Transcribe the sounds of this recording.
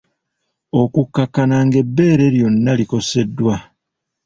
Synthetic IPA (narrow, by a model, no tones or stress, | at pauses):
o̞kukːakːanaŋɡe̞bːe̞ːɾe̞ɾjo̞nːaliko̞se̞dːwa